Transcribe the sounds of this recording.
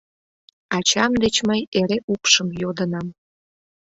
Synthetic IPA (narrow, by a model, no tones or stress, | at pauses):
ɑt͡ɕɑmd̪et͡ɕməjeɾeʔupʃəmjod̪ənɑm